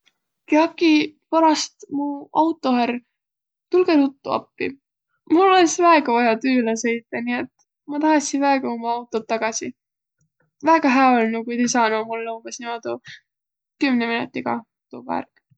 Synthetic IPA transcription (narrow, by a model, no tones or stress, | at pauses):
keɑkːipɑɾɑst̪muɑwt̪ːˑo̞hæɾ | t̪ulɡ̥eɾut̪ːuɑ̰pːḭ | mulolesvæeɡ̥ɑvɑjɑt̪yːlɑse̞jt̪ːˑɑniet̪ | mɑt̪ɑhɑsinvæeɡ̥ɑomɑɑwt̪ːˑo̞t̪ːɑɡ̥ɑsi | væeɡ̥ɑɦæːolnukujt̪isɑnomulːumbesnimod̪u | kymneminut̪ːiɡ̥ɑ̰ | t̪ṵːvæ̰rk